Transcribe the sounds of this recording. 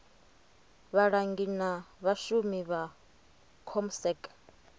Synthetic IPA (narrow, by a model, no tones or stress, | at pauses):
βaɺaŋɡinaβaʃumiβa | kʰɔmsɛk